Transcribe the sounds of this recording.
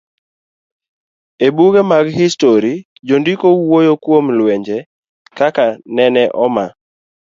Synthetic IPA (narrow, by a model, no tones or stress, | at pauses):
ebuɡemaɡɦistoɾi | d͡ʒondikowojokwomlwɛɲd͡ʒɛ | kakanɛnɛʔɔma̰